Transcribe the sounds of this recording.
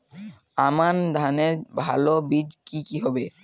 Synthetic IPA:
amand̪ʱaneɾbʱalobid͡ʒkikiɦɔbe

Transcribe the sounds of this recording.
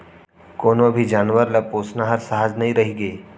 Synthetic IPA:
koːnõbʱid͡ʒaːnʋəɾlɐpoːsnaɦɐɾsəɦad͡ʒnɐɦĩɾɐɦiɡeː

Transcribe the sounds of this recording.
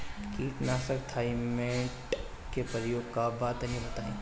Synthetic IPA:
kiːknaːsəkt̪ʰaːimẽʈ | kepɾəjoːɡ̚kabaːt̪ɐnĩbɐt̪aːḛ̃ː

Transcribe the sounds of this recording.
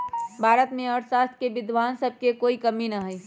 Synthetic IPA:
bʱaːɾət̪mẽɔɾsaːst̪ʰkebɪd̪ʱʋaːnsəb̚ʱkekoːikɐminɐɦɛj

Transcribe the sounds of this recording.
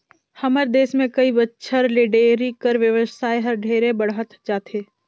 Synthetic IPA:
hɐməɾd̪eːsmẽkɐibətːʃʰəɾleɖeːɾikəɾʋjəʋəsaːeɦɐɾɖʱeːɾebəɽɦət̪d͡ʒaːt̪eː

